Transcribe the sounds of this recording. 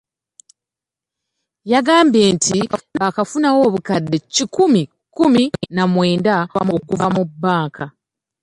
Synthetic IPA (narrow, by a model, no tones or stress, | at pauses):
jaɡaːmbje̞ːntʰiaakafunawo̞ːβukadːecikumi | kuminamwe̞ːndaa̰mokuvamubːaːŋkʰa